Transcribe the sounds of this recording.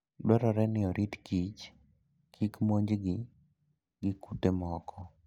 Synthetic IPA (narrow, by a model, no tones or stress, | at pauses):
dwɛɾɔɾɛnɪɔɾʔitkit͡ʃ | kʰikmoɲd͡ʒɡɪ | ɡɪkutemɔkʰɔ